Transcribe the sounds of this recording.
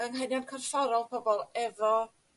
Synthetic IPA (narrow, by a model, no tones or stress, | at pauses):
əŋɦɛnjankʰərfɔɾɔlˠpʰɔbɔlˠɛvɔ